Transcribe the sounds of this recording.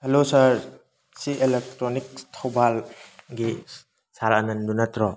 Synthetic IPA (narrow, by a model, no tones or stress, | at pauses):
helosɐɾ | sielek̚tɾɔnik̚tʰowbalɡi | saɾɐnɐndunɐt̪ɾɔ